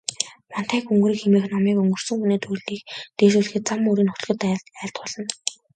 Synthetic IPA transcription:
mɔn̥t̪æːkɵŋɡriːkxemeːxnɔmiːkɵŋɡɵ̆r̥sɵ̆ŋxuneːt̪ʰuɮiːkt̪eːʃuːɮ̆xɘ̆t̪̚t͡samɵɾiːnχʊ̥t̪ɮɣɵ̆t̪æːɬt̪̚pɔɮɞ̆n

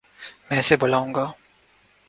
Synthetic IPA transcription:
mɛ̃ːseboːlaːũːŋɡaː

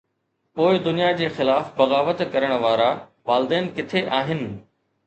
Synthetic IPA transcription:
poːɪd̪ʊnijad͡ʑeːxɪlaːfbɐɣaːʋət̪kɐɾəɽ̃ʋaːɾaʋaːlɪd̪eːnkɪt̪ʰeʔaːɦɪnɪ̆

